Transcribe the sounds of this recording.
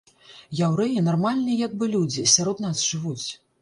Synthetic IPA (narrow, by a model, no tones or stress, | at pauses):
jawɾɛjinarmalʲnɨjɐjaɡ̚bɨlʲud͡zʲisʲaɾɔd̪nasʐɨvut͡sʲ